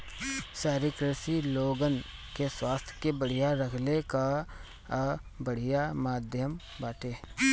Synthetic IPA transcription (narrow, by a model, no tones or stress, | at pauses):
saːɾikɾəsiloːɡənkeswaːst̪ʰjə̥kebəɽ̤ijaɾəkʰleka | bəɽ̤ɪjamaːd̪ʱjəm | baːʈeː